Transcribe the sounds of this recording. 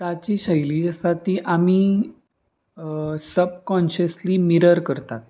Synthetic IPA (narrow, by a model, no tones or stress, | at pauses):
t̪at͡ɕiːɕəjliːd͡ʑasat̪iːʔamiː | səb̚kɔ̃nɕəsliːmiɾəɾkəɾt̪at̪̚